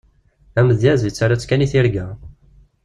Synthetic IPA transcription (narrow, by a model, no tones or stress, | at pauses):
æməðjæzit͡sːaɾæt͡sːkæniθiɾɡæ